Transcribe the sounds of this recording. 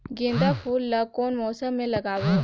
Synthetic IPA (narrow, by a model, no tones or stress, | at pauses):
ɡɪ̃ːnd̪afʰuːlːakoːnmɔːsəmːẽlɐɡaːʋo